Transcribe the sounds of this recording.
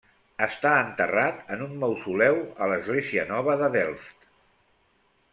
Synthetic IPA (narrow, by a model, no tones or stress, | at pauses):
əst̪aənt̪ərat̪ənunməwsulɛwələzɣleziənɔβ̞əðəðɛlˠft̪